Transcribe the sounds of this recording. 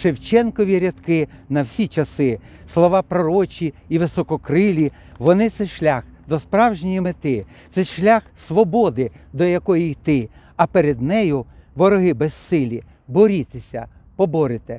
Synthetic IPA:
ʃewt͡ʃɛnkɔʋʲiɾʲɐt̪kɪnɐwsʲit͡ʃɐsɪslˠɔʋɑpɾɔɾɔt͡ʃʲiiʋɪsɔkɔkɾɪlʲi | ʋɔnɪt̪sɛʃlʲaxd̪ɔspɾɑwʒenʲimɪt̪ɪ | t̪sɛʃlʲaxsʋɔbɔd̪ɪd̪ɔjɐkɔjijt̪ɪ | ɐpeɾed̪nɛjʊʋɔɾɔɦɪbɛsːɪlʲi | bɔɾʲit̪esʲɐ̰ | pɔbɔɾɪt̪e

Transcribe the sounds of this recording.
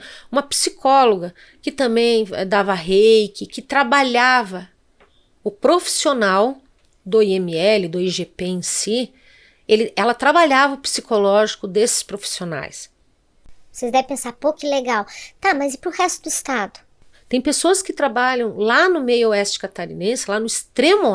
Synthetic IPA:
ũmɐpi̥sikʰɔloɡɐ | kɪt̪ɐ̃mbẽj̃ɛ̰d̪avɐaɦejkɪkɪt̪ɾabaʎavɐ | ʊpɾofi̥sionaw | d̪ʊiẽmiɛlɪd̪oiʒepeẽsi | elɪɛlɐt̪ɾabaʎavɐʊpsikolɔʒikʊd̪esɪ̥spɾofi̥siona̰js | vosezd̪ɛvɪ̃pẽsaɾpokleɡawt̪amɐzɪpɾʊhɛst̪ʊd̪ʊist̪ad̪ʊ | t̪ẽj̃pesoɐskɪt̪ɾabaʎɐ̃w̃lanʊmejʊoɛst͡ʃɪ̥kat̪aɾḭnẽsɪlanʊist̪ɾẽmʊ

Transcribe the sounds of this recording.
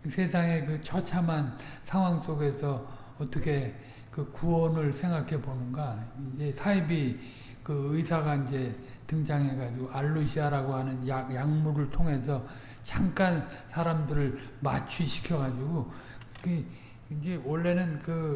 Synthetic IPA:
sʰe̞sʰaŋe̞kɯt͡ɕʰʌt͡ɕʰamansʰaŋɦwaŋs͈oɡe̞sʰʌ | ʌt͈ʌkʰe̞ | kɯkuʌnɯɭsʰe̞ŋɡakʰe̞bonɯnɡaind͡ʑe̞sʰaibi | kɯɯjsʰaɡaind͡ʑe̞ | tɯŋd͡ʑaŋɦe̞ɡad͡ʑiɡoaɭːuɕʰiaɾaɡohanɯnjajaŋmuɾɯɭtʰoŋɦe̞sʰʌ | t͡ɕaŋk͈ansʰaɾamdɯɾɯɭmat͡ɕʰuɕʰi̥kʰjʌɡad͡ʑiɡo | ki | ind͡ʑe̞wʌɭːe̞nɯnkɯ

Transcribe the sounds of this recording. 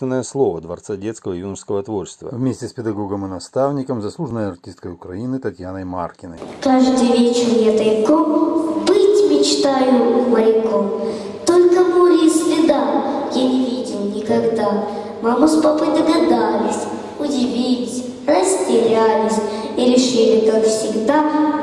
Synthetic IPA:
ɪnːəjəslˠo̞vəd̪vɐ̰rt̪sadʲet̪skəvəjunərskəvət̪vort͡ɕɪ̥st̪və̰vmʲesʲtʲɪspʲɪd̪ɐɡo̞ɡəmɨnɐst̪avnʲɪkəmzɐslˠuʐənəjɐrtʲist̪̚kəjʊkɾɐinɨt̪ɐtʲjanəjma̰rkʲɪnə̰jkaʐd̪ɨjvʲet͡ɕɪrnʲet̪ɐɪkombɨtʲmʲɪt͡ɕt̪ajʊməɾʲɪkom | t̪olʲkəmuɾʲisvʲɪd̪amjanʲɪvʲidʲɪmnʲɪkɐɡd̪a | mamuspɐpɨt̪əɡɐd̪alʲɪsʲ | ʊdʲɪvʲilʲɪsʲ | rɐsʲtʲɪɾʲalʲɪsʲiɾʲɪʂɨlʲɪkakfsʲɪɡd̪a

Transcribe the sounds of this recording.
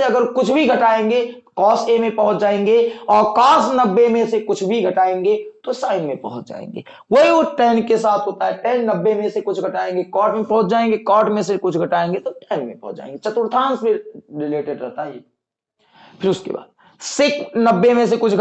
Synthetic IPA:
eɐɡəɾkʊt͡ʃʰbʱiɡʱɐʈaːẽːŋɡe | kɔːsemẽpɐɦʊ̃t͡ʃd͡ʒaːẽːŋɡeɔːɾkaːsnɐbːemẽsekʊt͡ʃʰbʱiɡʱɐʈaːẽːŋɡet̪osaːɪnmẽpɐɦʊt͡ʃd͡ʒa̰ːḛ̃ːŋɡḛː | wɐɦioʈɛːnkesaːt̪ʰɦoːt̪aɦɛʈɛːnːɐbːemẽsekʊt͡ʃʰɡʱɐʈaːẽːŋɡekɔːʈmẽpɐɦʊt͡ʃd͡ʒaːẽːŋɡekaːʈmẽsekʊt͡ʃʰɡʱɐʈaːẽːŋɡet̪oʈɛːnmḛ̃pɐɦʊt͡ʃd͡ʒa̰ːḛ̃ŋɡet͡ʃɐt̪ʊɾt̪ʰaːnsmẽɾɪleːʈeɖɾɛɦt̪aɦɛː | fʰɪɾʊskḛba̰ːd̪ | sɪknɐbːemẽs̬ekʊt͡ʃʰɡʱ

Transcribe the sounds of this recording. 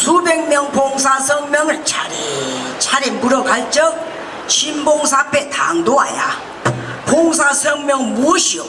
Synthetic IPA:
subɛŋ̚mjɔŋpʰoŋs̬asəŋmjɔŋat͡ɕʰaɾet͡ɕʰaɾɛmbuɾɔkʰalt͡ɕək̚ | t͡ɕʰimboŋs̬apɛt̪ʰaŋd̪oa̰ja̰ | pʰoŋs̬asəŋmjɔŋmuɕi

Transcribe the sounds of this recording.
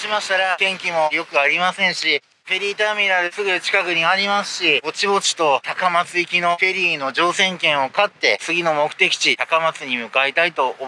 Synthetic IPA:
ɕimaɕi̥t̪aɾak̪ẽ̞ŋkʲimo̞jo̞kɯ̟aɾʲimasẽ̞ɰ̃ɕi | ɸe̞ɾʲiːt̪amʲiɾad̪ɯ̟sɨɡɯt͡ɕi̥kakɯ̟ɲ̟iaɾʲimasɨ̥ɕio̞t͡ɕibo̞t͡ɕi̥t̪o̞t̪akamat͡sɨikʲino̞ɸe̞ɾʲiːno̞d͡ʑo̞ːsẽ̞ŋkẽ̞ɰ̃o̞kat̪ːe̞t͡sɨɡʲino̞mo̞kɯ̟t̪e̞kʲi̥t͡ɕit̪akamat͡sɨɲ̟imɯ̟kaet̪ait̪o̞o

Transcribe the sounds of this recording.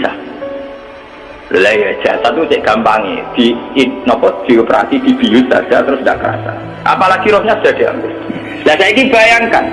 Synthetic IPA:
sa̰ | lo̰laijad̥ʒ̥asat̪ut͡ʃɛʔɡ̥ampaŋḛd̪̥iinɔpɔd̪̥iopəɾa̰sid̪̥ib̥ijussa̰̥d͡ʒ̥at̪əɾʊsnda̰ʔkəɾa̰sa̰ | ʔa̰palaɡ̥iɾɔhɲasə̥d̥a̤d̥ea̰ŋkʊs | lasaikib̥ajaŋkan

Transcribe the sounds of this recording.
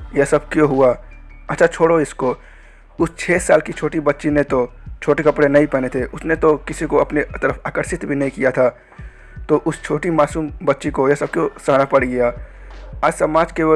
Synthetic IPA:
jɐsəbkjõɦʊa | ɐtːʃʰat͡ʃʰoːɽoɪsko | ʊst͡ʃʰɛːsaːlkit͡ʃʰoːʈibɐtːʃinet̪ot͡ʃʰoːʈekɐpɽenɐĩpɛːnet̪ʰeʔʊsnet̪okɪsikoɐpnet̪əɾəpaːkəɾʃɪt̪bʱinɐɦĩkijat̪ʰa | t̪oʔʊst͡ʃʰoːʈimaːsuːmbɐtːʃikojɐsəb̚kjõsɐɦnapɐɽ̤ɡɐja | aːd͡ʒsəmaːd͡ʒke

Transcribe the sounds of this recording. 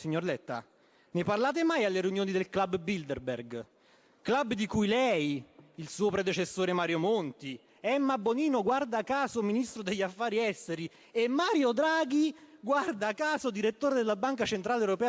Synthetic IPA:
siɲːorlɛt̪ːa̰ | neparlaːt̪̬emajalːeɾeunjoːnid̪elklabbild̪erbḛrɡ | klabːd̪ikujlɛjilsuːopɾed̪et͡ʃesːoːɾemaːɾjomont̪i | ɛmːabːoniːnoɡward̪aːkːaːzominist̪ɾod̪eʎːafːaːɾiɛst̪eɾi | emːaːɾjod̪ɾaːɡiɡward̪akːaːzod̪iɾet̪ːoːɾed̪elːabaŋkat͡ʃent̪ɾaːlewɾopɛː

